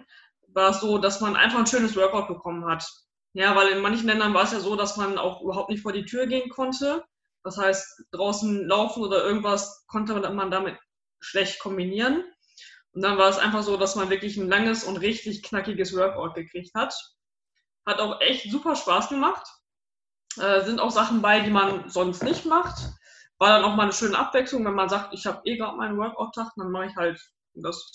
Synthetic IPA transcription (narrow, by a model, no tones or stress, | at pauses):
vaːɐɛsz̥oːdasmanʔa̰ɪnfaχn̩ʃøːnəs̬vœɐkaʊt̚b̥əkʰɔmənhat | jaːvaɪlɪnmançn̩lɛndɐnvaːɐɛsjaːzoːdasmana̰ʊxʔyːbɐɦaʊp̚tnɪçtfoːɐiːtʰyːʁəɡeːənkʰɔntʰə | d̥ashaɪstd̥ʁaʊsn̩laʊfn̩ʔoːdɐʔɪɐɡŋ̩tv̥askʰɔntəmandamɪt | ʃlɛçtkʰɔmbiniːʁən | ʔʊnt̚d̥anvaːɛsʔa̰ɪnfaχz̥oːdasmanvɪɐklɪçn̩laŋəsʊntʁɪçtɪçknakɪɡəsvœɐkaʊt̚ɡ̥əkʁ̥ɪçthat | hataʊxʔɛçtz̥uːpɐʃpaːsɡ̥əmaχt | ʔɛːzɪnta̰ʊxz̥aχn̩baɪdiːmanzɔnstnɪçtmaχt | vaːɐɾanaʊxmaːlnəʃøːnəʔa̰pv̥ɛkslʊŋvɛnmanzaːk̚tɪçhaːbəʔeːɡʁaːtmaɪnənwœɐka̰ʊtʰːaχt̚d̥anmaχɪçhalt | das